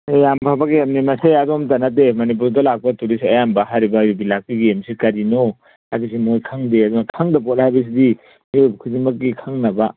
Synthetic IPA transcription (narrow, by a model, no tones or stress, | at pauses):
jampʰabaɡiemnimɐseadomtɐnɐt̬emɐnip̬uɾdɐlak̚pɐtuɾisiɐjambɐɦajɾibɐjubilak̚ːiɡiemsikɐɾino | hajbis̬imojkʰaŋdeɐdunɐkʰaŋdɐpot̚hajbɐs̬idi | miojbɐkʰuzimɐkːikʰaŋnɐba